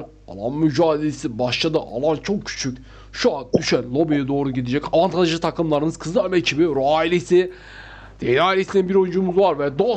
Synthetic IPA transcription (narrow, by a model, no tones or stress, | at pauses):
a̰lˠa̰nmyd͡ʒaːd̪elʲesibaʃlˠad̪ɯʔa̰lˠant͡ʃʰo̞k̚cʰy̥t͡ʃʰycʲ | ʃuand̪yʃænlˠobijɛd̪o̞ːɾuɟid̪id͡ʒɛcavant̪ʰanaʒɯt̪ʰakɯmlˠaɾɯnɯzkʰɯzˠɯamɛcʰibiɾoailʲesɪ | d̪̥enaːjlʲesininbiɾojnd͡ʒumuzvaɾvɛd̪o